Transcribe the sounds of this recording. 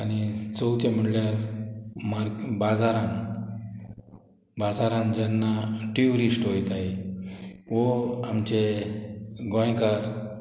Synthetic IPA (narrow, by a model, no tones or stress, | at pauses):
añit͡sɔwt̪ẽm̤əɽljaɾmaɾbad͡zaɾãn | bad͡zaɾãnd͡ʑanːaʈiuɾisʈɦojt̪aɦe | ʋoamt͡ɕe | ɡõjkaɾ